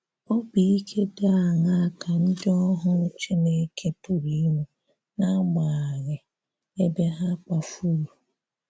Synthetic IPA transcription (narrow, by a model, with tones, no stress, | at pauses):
ɔ˦bi˨i˦kʰe˦da˦a˨ŋa˦a˦ka˨n̩˦dɪ˦ɔ˦ɦʊ˦t͡ʃe˦ne˦kʰe˦pʊ˨ɾi˦mu˨ | na˦ma˨a˨ɣɪ˨ | e˦be˦ɦa˦k͡pa˦fu˦lu˨